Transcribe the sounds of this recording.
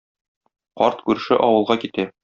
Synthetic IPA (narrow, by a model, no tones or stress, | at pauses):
qɒ̰ɾt̪kʉɾɘ̆ʃɘʔɒwɤ̆lˠʁɑkit̪æ